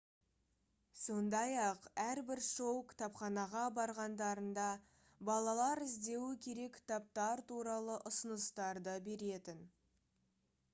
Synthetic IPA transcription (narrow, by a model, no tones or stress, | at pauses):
so̞nd̪ɑjɑqæɾbɪɾʃo̞wkʲt̪ɑpχɑnɑʁɑbɑɾʁɑnd̪ɑɾənd̪ɑ | bɑlˠɑlˠɑɾɪzd̪e̞wɪkʲʰe̞ɾe̞kʲʰːɪ̥t̪ap̚t̪ɑɾt̪uɾɑlˠəʔʊsənəst̪ɑɾd̪əbe̞ɾe̞t̪ɪn